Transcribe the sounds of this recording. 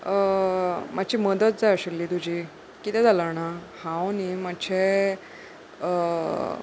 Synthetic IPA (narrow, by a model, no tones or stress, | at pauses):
mʔat͡ɕʰiːməd̪ət̪̚d͡zajəɕəlːiːt̪ud͡ʑiː | kit̪ɛd͡zaləɾɳahãwnimat͡ɕʰe